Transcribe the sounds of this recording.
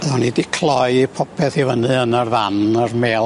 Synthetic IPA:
əðɔnidikʰlˠɔjipʰɔpʰɛθivənɨənarvanarmeːl

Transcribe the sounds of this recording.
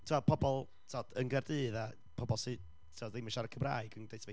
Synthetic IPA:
tʰuapʰɔbɔlˠ | tʰɔd̥ənɡɛrdɨːða | pʰɔbɔlˠsɨ | tʰuɔdejmɪʃaɾəkʰəmra̰ɨɡəndejsve

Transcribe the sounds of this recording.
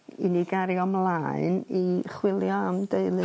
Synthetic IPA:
ḭniɡaɾjɔmlˠaɨniχwɪlˠjɔamdeɨlˠɨ

